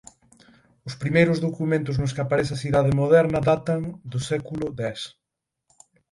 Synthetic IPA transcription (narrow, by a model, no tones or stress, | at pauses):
ʊspɾimejɾʊzðokumẽnt̪ʊznʊskapaɾesθ̬ɪɐsiðaðɪmoðɛɾnɐðat̪ɐŋd̪ʊsɛkulʊd̪ɛs